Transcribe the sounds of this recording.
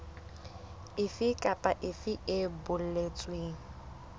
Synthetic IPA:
ɪfɪkʼapʼaʔɪfɪɪbʊl̩let͡sʼweːŋ̩

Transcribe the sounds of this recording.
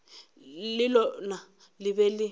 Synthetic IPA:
lɪlɔna | lɪbɛlɪ

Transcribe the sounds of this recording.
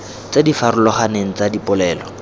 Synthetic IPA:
t͡sedifaɾʊlɔχaneŋ̩t͡sadipʼʊlɛːlɔ

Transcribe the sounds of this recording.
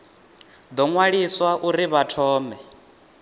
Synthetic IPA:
d̪ɔŋwaɺiswaʔuɾiβatʰɔːmɛ

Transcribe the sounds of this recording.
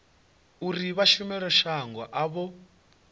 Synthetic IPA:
uɾiβaʃumɛɺɔʃaŋɡwa̰ʔaβɔ

